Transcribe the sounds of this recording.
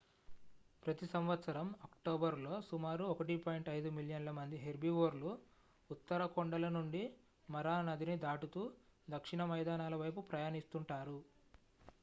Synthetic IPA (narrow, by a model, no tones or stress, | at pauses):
pɾɐt̪isɐmʋɐt̪sɐɾɐmɐkʈoːbɐɾlo̞ːsumaːɾuɔkɐʈipoːjiɳʈɐjd̪umiljɐnlɐmɐnd̪iɦeɾbiʋoːɾluː | t̪ːɐɾɐkoɳɖɐlɐnuɳɖi | mɐɾaːnɐd̪inid̪aːʈut̪uːd̪ɐkʂiɳɐmɐjd̪aːnaːlɐʋɐjpupɾɐjaːnist̪uɳʈaːɾu